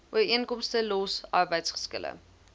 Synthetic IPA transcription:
ʔuəɾiənkɔmstəlɔsʔɑrbəjtsχə̥skə̰lə̰

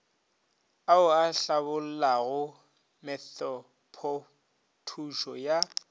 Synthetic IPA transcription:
aʊaɬabʊl̩laɣʊ | mɛθɔ | pʰɔ | tʰuʃɔja

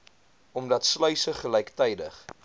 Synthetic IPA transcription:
ɔmdɐtslœɥsəχəlɛjktɛjdə̰χ

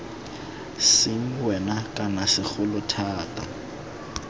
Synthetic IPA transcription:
sɪŋ̩wɛnakʼanasɪχʊlʊtʰaːtʼa

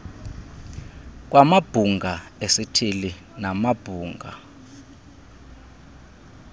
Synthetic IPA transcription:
k̬wamab̥ʱuŋɡʱaesitʰili | namab̥ʱuːŋɡʱa̰

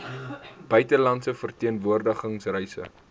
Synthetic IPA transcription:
b̥œɥtəlɐntsəfərtiənvuərdəχəŋsrɛjsə̰

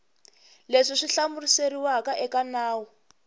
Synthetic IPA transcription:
leʂiʂiɬamuriseɾiwakaʔɛkanaːwɔ

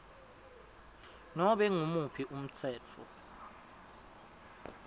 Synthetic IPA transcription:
nɔɓɛŋumupʰiʔum̩t͡sʰɛːt͡fʰɔ̰

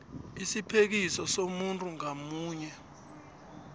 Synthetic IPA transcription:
isipʰek̬isɔsomuntʼuŋamuːɲɛ

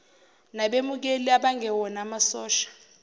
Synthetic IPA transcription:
naɓemuk̬eliaɓaŋɛwɔnamasɔːʃḁ

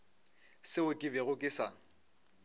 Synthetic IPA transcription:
sɪʊkʼɪbɛɣʊkʼɪsaŋ̩

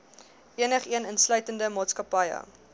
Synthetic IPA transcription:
ʔiənəχiənənslœɥtəndəmɑːtskɐpɐjə̰

